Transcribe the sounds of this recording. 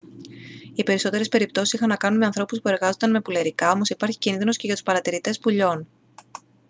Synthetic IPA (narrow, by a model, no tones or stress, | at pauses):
ipe̞ɾiso̞t̪eɾe̞spe̞ɾip̚t̪o̞sisixɐnːɐkɐnunme̞ɐnθɾo̞puspue̞ɾɣɐzo̞nd̪ɐnme̞puleɾikɐo̞mo̞sipɐɾçi̥cinðino̞sce̞ʝɐt̪u̥spɐɾɐt̪iɾit̪e̞spuʎo̞n